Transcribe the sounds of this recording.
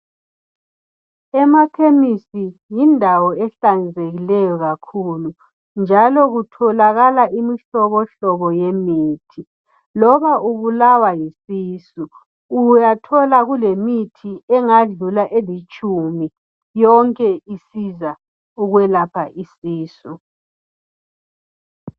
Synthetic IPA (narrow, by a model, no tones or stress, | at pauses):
ɛmapʰemisijindʱawɔɛɬand͡zʱeɣilɛjɔɣakʰulu | nd͡ʒʱalɔɣutʰɔlaɣalaʔimiɬɔβɔɬɔβɔjemiːtʰi | lɔβaʔuβulawajisiːsu | ujatʰɔlaɣulemitʰiɛŋaɮulaʔelit͡ʃʼumi | jɔŋkʼɛisiza | uɣwɛlapʰaʔisiːsu